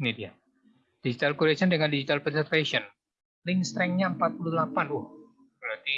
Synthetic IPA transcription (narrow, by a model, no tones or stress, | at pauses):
nidia | d̥id͡ʒit̪alkuɾesəndəŋandid͡ʒit̪alpɛsɛrfesɔn | lɪŋst̪ɾɛŋɲaəmpat̪̚pululapanʊh | bɾat̪i